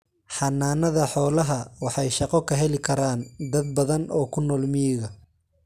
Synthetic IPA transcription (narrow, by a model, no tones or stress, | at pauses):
ħɑnaːnɐðɐħɔːlɐɦɐwɑħɑjʃɑqɔkʰɐɦɛlɪkʰɐɾaːnd̪ɐd̪̚bɐðɐnʔɔːkʰʊnɔːlmɪjɪɣɐ